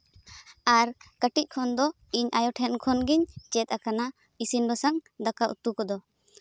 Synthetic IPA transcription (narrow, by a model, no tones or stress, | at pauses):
aɾkəʈic̚ˀkʰɔnd̪ɔ | iɲajɔʈʰɛnkʰɔnɡiɲt͡ʃɛt̪̚akana | isinbɔsaŋd̪akaʔṵt̪ukɔd̪ɔ